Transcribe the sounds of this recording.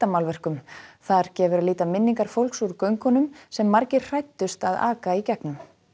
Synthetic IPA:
t̪amawlvɛr̥kʏmθaɾ̥cɛːvʏɾaliːt̪amɪnːiŋkaɾ̥fowlksuɾkœɥŋkʏnʏmsɛmːaɾcɪɾ̥r̥ajt̪ːʏst̪aða̰ːkaicɛknʏm

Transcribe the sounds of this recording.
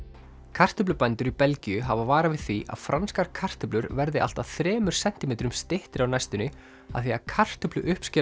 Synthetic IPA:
kʰar̥t̪ʏplʏpajnt̪ʏɾipɛlcijʏɦavavaːɾavɪðθiʔa̰ðfɾanskaɾ̥kʰar̥t̪ʏplʏɾvɛɾðɪʔa̰l̥t̪aθɾɛːmʏɾ̥sɛn̥t̪ɪmɛːt̪ɾʏmst̪ɪht̪ɪɾawnajst̪ʏnɪ | aðθiakʰar̥t̪ʏplʏʔʏhpscɪː

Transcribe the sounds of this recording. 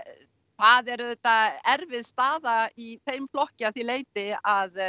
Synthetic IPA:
θaðɛɾðɛt̪aɛɾvɪðst̪aːðaiθejmflɔhcɪaθileːjt̪ɪað

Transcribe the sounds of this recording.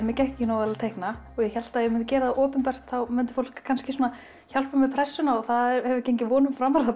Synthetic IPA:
mɛcɛhcɪnɔːwvɛlat̪ʰejhknaɔɣjɛçɛl̥t̪ajɛmʏnt̪ʏ̥cɛːɾaðaʔɔːpʏnpɛr̥t̪θawmʏnt̪ɪ̥fowl̥kʰːanscɪsuːna | çal̥pʏmɪpʰɾɛsːʏnaɔθaðɛɾɛvɪcejɲcɪvɔːnʏmfɾaːmaɾða

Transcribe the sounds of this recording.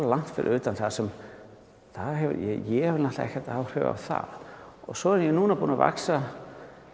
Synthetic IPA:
lan̥t̪fɪ̰ɾ̰ʏːt̪anθaðsɛm | θaðɛvjɛjɛhɛvɾnaht̪aɛ̰hçcːɛɾt̪aaːwr̥ʏːva̰θa̰ðɔ̰sɔːðɾnjɛnuːnapuːnava̰ksa

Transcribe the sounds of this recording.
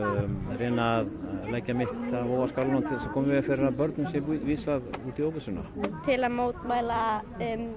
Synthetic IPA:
reːnaðlaːjcamɪht̪aðoːvaskalanamt̪ʰɪlsɛkʰɔːmvɪɣafɪɾɪɾaðpœɾt̪nʏmsjɛviːsaðuːt̪ioːwvʏsʏna̰t̪ʰɪlaðmoːwt̪maːjla | m

